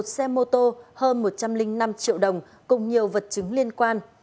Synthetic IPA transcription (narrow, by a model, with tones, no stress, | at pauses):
t̚sɛ˧mo˧t̪o˧həː˧nmo˨˩t̚t͡ɕa˧mlï˧ŋ̟na˧mt͡ɕḭ˧˨wɗə˨˩wŋ͡m | kʊ̰˨˩ŋ͡mɲi˨˩əwvə˨˩t̚t͡ɕɨ˨˦ŋli˧ənkwaː˧n